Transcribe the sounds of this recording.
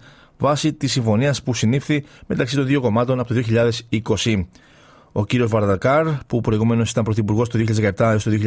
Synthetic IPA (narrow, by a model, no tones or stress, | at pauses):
vɐsit̪isːiɱfo̞niɐspusinifθime̞t̪ɐksit̪o̞nðio̞ko̞mɐt̪o̞nɐpot̪oðio̞çiʎɐðe̞siko̞si | o̞ciɾio̞zvɐɾðɐkɐɾpupɾo̞iɣume̞nosit̪ɐmpɾo̞θipuɾɣo̞st̪oðiçʎɐzðekɐept̪ɐost̪oðioçiʎ